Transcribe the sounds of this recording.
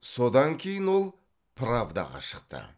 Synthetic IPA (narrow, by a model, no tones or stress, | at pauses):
so̞d̪ɑŋkʲʰe̞jɪnwo̞lˠ | pʰravd̪ɑ̰ʁɑ̰ʃə̥qt̪ə̰